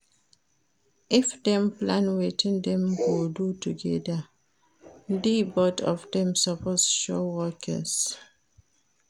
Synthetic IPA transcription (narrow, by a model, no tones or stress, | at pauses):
ifdɛ̃mplãnwetʰĩndɛ̃mɡodutuɡɛda | ndibɔtɔ̰fdɛ̃msaposʃɔwɔkʰə̰s